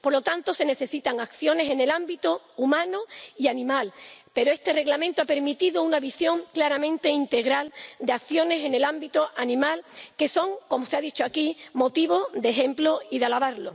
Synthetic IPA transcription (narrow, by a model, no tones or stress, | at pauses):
po̞ɾlo̞t̪ant̪o̞se̞ne̞θe̞sit̪aŋakθjo̞ne̞se̞ne̞lambit̪o | umãnoianĩmalpe̞ɾoe̞st̪e̞re̞ɣlamẽ̞nt̪oape̞ɾmit̪iðounaβisjo̞ŋklaɾamẽnt̪e̞int̪e̞ɣɾald̪e̞akθjo̞ne̞se̞ne̞lambit̪oʔanĩmalke̞so̞ŋko̞mo̞seaðit͡ʃoakimo̞t̪iβo̞ðe̞ɦe̞mploiðalaβaɾlo